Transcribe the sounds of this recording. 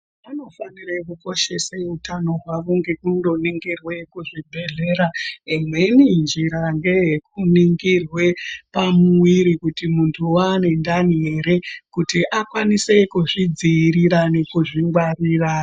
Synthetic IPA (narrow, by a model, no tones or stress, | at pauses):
ano̞faniɾekuko̞ʃe̞seutʰano̞ɦwaʋuŋɡe̞kundo̞niŋɡirwe̞kuʐibʱe̞ɮe̞ːɾaimwe̞nind͡ʒiɾaŋɡe̞jekuniŋɡirwe̞pamuwiɾikutimuntʰuwaːne̞ndane̞ɾe̞kutiʔakwanise̞kuʐid͡ziːɾiɾane̞kuʐiŋɡwariːra